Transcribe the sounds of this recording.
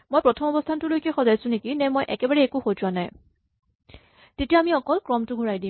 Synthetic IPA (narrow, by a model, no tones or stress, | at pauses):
mojpɹɔtʰɔmɔbɔstʰantʊlojkɛxɔzajsʊ̃nekinɛmɔjʔɛ̰kɛbaɹɛːkuxojtwanaj | tetijaːmiɔkɔlkɹɔmtʊɡʱuɹajdĩ